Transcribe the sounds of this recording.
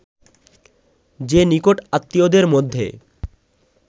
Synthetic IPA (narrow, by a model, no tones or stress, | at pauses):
d͡ʑenikoʈat̪ːiod̪eɾmod̪ʱːḛ